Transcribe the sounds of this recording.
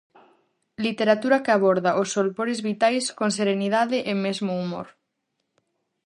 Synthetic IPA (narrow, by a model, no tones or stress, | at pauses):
lit̪eɾat̪uɾakɪaβoɾðaʔosːolpoɾɪzβit̪ajskoŋs̬eɾeniðaðɪʔemezmoumo̰ɾ